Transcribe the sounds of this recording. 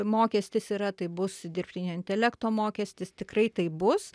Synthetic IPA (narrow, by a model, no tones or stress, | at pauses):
moːkʲɛsʲt̪ʲɪsiːɾɐt̪ɐɪbʊsd̪ʲɪrʲpʲt̪ʲɪnʲoːɪnʲt̪ʲɛlʲɛkt̪oːmoːkʲɛsʲt̪ʲɪst̪ʲɪkrɐɪt̪ɐɪbʊs